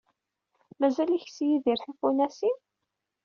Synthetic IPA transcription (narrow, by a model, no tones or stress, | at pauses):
mæzæliçsjiðiɾθifunæsin